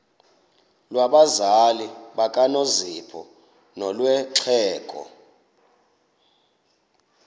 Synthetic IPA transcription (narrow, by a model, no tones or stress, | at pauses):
lwaɓazaliɓakʼanozipʰɔ̰ | nɔlwɛǁʰɛːkʼɔ̰